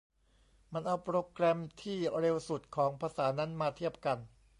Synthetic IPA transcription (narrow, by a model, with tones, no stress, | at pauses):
ma˧nʔa˧wpɾoː˧kɾɛ˧mt̪ʰiː˥˩ɾe˧wsu˨˩t̪̚kʰɔː˩˦ŋpʰaː˧saː˩˦na˦˥nmaː˧t̪ʰi˥˩əp̚ka˧n